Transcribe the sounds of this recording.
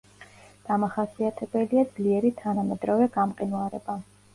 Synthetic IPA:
d̪̥amaχasiat̪ʰɛbɛliad̪zliɛɾit̪ʰanamɛd̪ɾɔvɛɡamqʼinuaɾɛ̰ba

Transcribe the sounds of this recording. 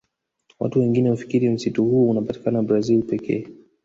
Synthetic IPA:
wa̰tuwɛŋɡinɛhufi̥kiɾim̩situhuɔunapati̥kanabɾazilpɛkʰɛ̰ː

